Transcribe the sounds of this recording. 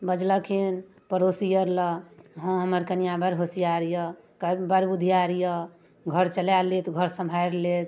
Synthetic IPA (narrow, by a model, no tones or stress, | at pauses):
bəd͡ʒləkʰin | pəɾosijəɾləɦə̃ɦəməɾkənijabəɾɦosijaɾjə | kbəɾbud̪ʱijaɾjə | ɡʱəɾt͡ʃəlalet̪ɡʱəɾsəmbʱaɾlet̪